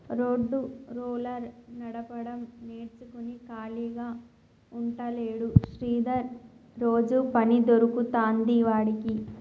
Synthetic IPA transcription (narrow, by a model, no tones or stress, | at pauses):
ɾoːɖːuɾuːlɐɾnɐɽɐpɐɽɐmneːɾt͡ʃukunikaːliːɡaː | uɳʈɐleːɽuʃɾiːd̪ɐɾːo̞ːd͡ʒupɐnid̪oɾukut̪aːnd̪iːʋaːɽiki